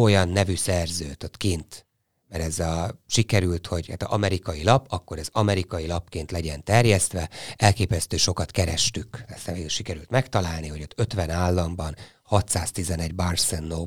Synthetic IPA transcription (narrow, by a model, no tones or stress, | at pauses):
o̞jɒnːɛvysɛrzø̰ːt̪ot̪keːnt̪ | mɛɾɛzɒʃikɛɾylt̪ho̞ɟha̰ːt̪ɒɒmɛɾikɒjilɒpɒkːo̞ɾɛzɒmɛɾikɒjilɒpkeːnt̪lɛɟɛnt̪ɛrjɛst̪ʋɛɛlkeːpɛst̪øːʃo̞kɒt̪kɛɾɛʃt̪ykɛsɛveːɡyʃikɛɾylt̪mɛkt̪ɒlaːlniho̞ɟot̪ʰːøt̪ʋɛnaːlːɒmbɒn | hɒt̪saːst̪izɛnɛɟbarsɛnːoː